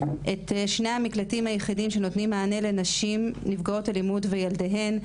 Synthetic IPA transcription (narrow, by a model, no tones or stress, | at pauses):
ʔe̞tʃne̞jhamiklatimhajeχidimʃe̞notnimːaːne̞lenaʃimnivɡao̞talimudve̞jaldeɦe̞n